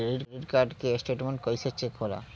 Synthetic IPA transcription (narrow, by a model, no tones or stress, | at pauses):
ɾiɾɾiɾkaɾɖkesʈeʈmeɳʈkojset͡ɕʰekʰola̰